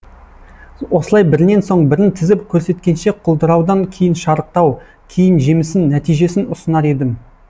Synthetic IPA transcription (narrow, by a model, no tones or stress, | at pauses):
wo̞səlˠɑjbɪɾɪne̞nso̞ɴbɪɾɪnt̪ʰɪzɪpkʲʰɵɾse̞t̪kʲe̞nʃe̞qʰʊlˠd̪əɾɑwd̪ɑŋkʲʰe̞jɪnʃɑɾəq̚t̪ɑw | kʲʰe̞jɪnʒe̞mɪsɪnːæt̪ijʒe̞sɪnʊsənɑɾe̞d̪ɪm